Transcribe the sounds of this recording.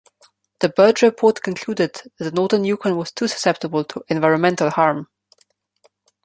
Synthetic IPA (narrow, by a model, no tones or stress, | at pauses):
ðəbɜ˞d͡ʒɹɪpʰɔɹtkʰə̃nkʰl̥uːdɪd̪̚ðɨt̪̚ðənɔɹðə̃njukʰə̃nwʌz̥tʰusə̥sɛp̚təbəl̩ˠtʰəʔɛ̃nvaɪɹə̃nmɛ̃ntʰəl̩ˠhɑɹm